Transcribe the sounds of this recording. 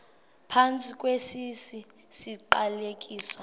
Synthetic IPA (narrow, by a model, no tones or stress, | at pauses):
pʰant͡sʼikʼwesisi | siǃalekʼiːswa